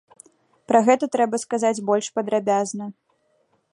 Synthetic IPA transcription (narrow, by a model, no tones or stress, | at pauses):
pɾɐɣɛt̪ɐt̪ɾɛbɐskazad͡zʲbɔlʲʂpɐd̪ɾabʲaznɐ